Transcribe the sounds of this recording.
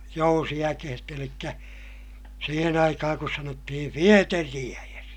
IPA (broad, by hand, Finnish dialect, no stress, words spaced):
jousiækehet elikːæ siːhen ɑikɑhɑŋ kus sɑnotːihi fieteriæjes